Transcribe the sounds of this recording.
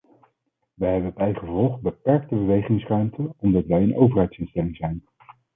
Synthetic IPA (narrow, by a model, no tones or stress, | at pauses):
ʋəɦɛbəbɛjχəvɔlˠχbəpɛɹk̚təbəʋejχɪŋsrœɥmtʰəɔmdɑtʋɛjənʔowvəɹɦɛjtsɪnstɛlɪŋzɛjn